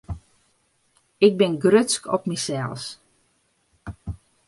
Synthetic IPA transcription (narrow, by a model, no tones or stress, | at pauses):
ɪk̚bɪnɡrøskʰɔpmisɛlˠs